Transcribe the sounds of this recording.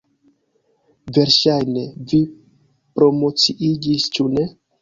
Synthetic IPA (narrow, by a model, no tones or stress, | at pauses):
ve̞ɾʃajne̞vi | pɾo̞mo̞t͡siʔid͡ʒist͡ʃune̞